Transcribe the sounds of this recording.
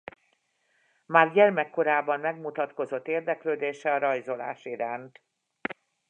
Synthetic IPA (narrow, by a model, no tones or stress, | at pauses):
maːrɟɛrmɛkːo̞ɾaːbɒmmɛɡmut̪ɒt̪ko̞zo̞t̪ːeːrd̪ɛkløːd̪eːʃɛɒɾɒjzo̞la̰ːʃiɾaːnt̪